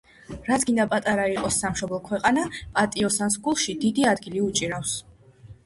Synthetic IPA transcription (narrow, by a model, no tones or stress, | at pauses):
ɾat̪sʰɡind̪apʼat̪ʼaɾaiqʼɔsːamʃɔblˠɔkʰwɛqʼanapʼat̪ʼiɔsansɡulˠʃid̪id̪iad̪ɡiliut͡ʃʼiɾafs